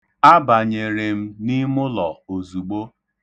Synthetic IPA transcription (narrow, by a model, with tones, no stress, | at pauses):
a˦ba˨ɲe˨ɾe˨m̩˦ni˦mʊ˦lɔ˨o˨zu˨ɡ͡bo˦